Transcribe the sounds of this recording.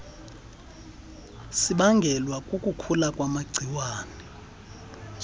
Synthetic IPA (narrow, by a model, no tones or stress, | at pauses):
siɓaŋɡʱɛlwakʼukʼukʰulakʼwamaɡ͡ǀʱiwaːnɛ